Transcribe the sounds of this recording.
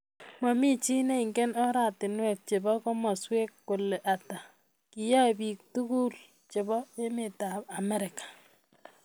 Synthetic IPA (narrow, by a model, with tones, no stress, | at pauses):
ma˨mi˦t͡ʃi˦ne˦i˨ŋɡɛ˦nɔ˦ɾa˨tɪ˨nwɛ˦˨k̚t͡ʃe˨bɔ˦kɔ˦mɔ˨swe˦kːo˨le˨ʔa˨ta˨ | ki˨ja˦bi˨k̚tu˦ku˦l | t͡ʃe˨bɔ˦e˦me˨ta˨ba˨mɛ˦ɾɪ˨kḁ˨